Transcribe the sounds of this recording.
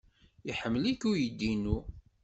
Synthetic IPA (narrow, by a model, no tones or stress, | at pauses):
iħəmːlikːujəd̪ːinu